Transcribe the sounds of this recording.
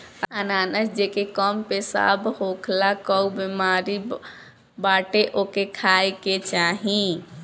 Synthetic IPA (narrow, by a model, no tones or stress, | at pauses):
ənaːnət͡ʃd͡ʒekekəmpesa̰bʱɦokʰlakəubimaɾi | baʈeʔokekʰaeket͡ʃaɦĩ